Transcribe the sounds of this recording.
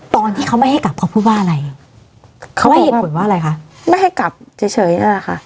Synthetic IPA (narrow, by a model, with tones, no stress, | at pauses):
t̪ɔː˧nt̪ʰiː˥˩kʰa˦wma˥˩jɦa˥˩jka˨˩p̚kʰɔ˦˥pʰːuː˥˩waː˥˩nʔa˨ɾa˧j | kʰa˦˥ma˥˩˧pu˨˩˦nwaː˥˩˨ɾa˧jkʰa˦˥ʔma˥˩jɦa˥˩jka˨˩p̚t͡ɕʰɤː˨˦jt͡ɕʰɤː˩˦jna̰˥˩la˨˩kʰa̰˥˩ʔ